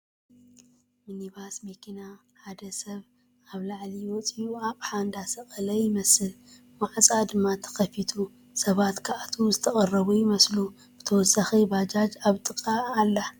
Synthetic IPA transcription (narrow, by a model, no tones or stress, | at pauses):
miniβasmekʰina | ħad̪ɐsɐβ | aβlaʕliwɔt͡sʼiuaβħand̪asɐχʼɐlɐjɪmɐsɨl | waʕt͡sʼad̪ɨmːat̪ʰɐ̥xɐfit̪ʰu | sɐβat̪kʰaʔat̪ʰuzɨt̪ʰɐkʼɐrːɐβujɪmɐslu | b̥ɨt̪ʰɐwɔsaxibad͡ʒad͡ʒaβt̪ʼɨkʼːaːlːa